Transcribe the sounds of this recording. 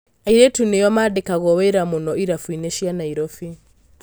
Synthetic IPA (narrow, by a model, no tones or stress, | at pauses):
aiɾɛtunejɔmadɛkaɣɔwɛɾamɔnɔiɾafwinɛʃianaiɾɔfi